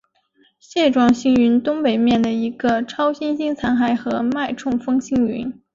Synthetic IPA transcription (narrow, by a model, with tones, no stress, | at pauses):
ɕjɛ˥˧ʈ͡ʂwɑ˥˩ŋɕi˥ŋy˧˥nt̪ʊ˥ŋpe˨˩ɪmjɛ˥˩nd̪ə˩i˧˥ɡə˧ʈ͡ʂʰɑ˥ʊɕi˥nɕi˥ŋt͡sʰa˧˥nxa˧˩ɪxɤ˧˥ma˥˧ɪʈ͡ʂʰʊ˥˩ŋfɤ˥ŋɕi˥ŋy̰˧˥n